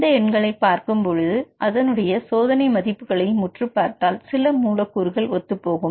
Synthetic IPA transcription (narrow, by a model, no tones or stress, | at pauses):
d̪ɐɛɳɡɐɭɐɪpːaːɾkɯmpɔɻɯðɯʔɐðɐnɯɽɐjɐsoːðɐnɐɪmɐðɪpːɯɣɐɭɐɪmʊʈrɯpːaːɾt̪aːlsɪlɐmuːlɐkːuɾɯɣɐɭʋɔt̪ːɯpːoːɣɯm